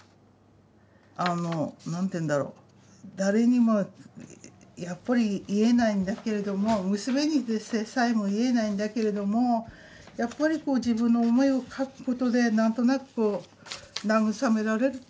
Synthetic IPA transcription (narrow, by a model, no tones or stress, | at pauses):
anonãnt̪ẽnd̪aɾo̞̰ː | d̪aɾe̞ɲ̟imo | japːaɾʲiːe̞naĩnd̪ake̞ɾe̞d̪o̞mo̞mɯ̟sɨme̞ɲ̟id̪esesaimoie̞naĩnd̪ake̞ɾe̞d̪o̞mo̞ | japːaɾʲiko̞ːʑibɯ̟̃nːo̞ːmo̞io̞kʰakɯ̟̥ko̞t̪o̞d̪e̞nãnt̪o̞nakɯ̟̥koː | naɡɯ̟same̞ɾaɾe̞ɾɯ